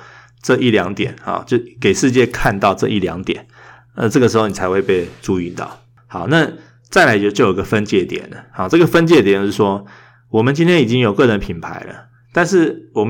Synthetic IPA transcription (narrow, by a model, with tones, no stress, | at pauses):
ʈ͡ʂɤ˥˧ʔi˥˩ljɑ˧˥ŋt̪jɛ˨˩˦nxɑ̰˧˩ʊt͡ɕo˥˩ʊke˨˩ɪʂɻ̩˥˧t͡ɕjɛ˥˧kʰa˥˧nt̪ɑ˥˧ʊʈ͡ʂɤ˥˧ʔi˥˩ljɑ̰˧˦˥ŋt̪jɛ̰˨˩˦n | a˥˧ʈ͡ʂɤ˥˩ɡə˩ʂɻ̩˧˥o˥˩ʊni˨˩t͡sʰa˧˥xwe˥˧ɪpe˥˧ɪʈ͡ʂu˥y˧nt̪ɑ̰˥˩ʊ | hɑ˨˧˦ʊna˥˧ | t͡sa˥ɪla˧˥ɪt͡ɕt͡ɕo˥˩jo˨˩˧ɡə˧fə˦nt͡ɕjɛ˥˩t̪jɛ̰˨˩nə˩hɑ˨˦ʊʈ͡ʂɤ˥˩ɡə˩fə˦˥nt͡ɕjɛ˥˩t̪jɛ˨˩nʂɻ̩˥˩ʂwɔ˥ | wɔ˨˩mə˨˦nt͡ɕi˥nt̪jɛ˥ni˨˩t͡ɕi˥ŋjo˨˩ʊkɤ˥˩ɻə˧˦npʰi˨˩npʰa̰˧˥ɪlə̰˨ | t̪a˥˧nʂɻ̩˥˩wɔ˨˩m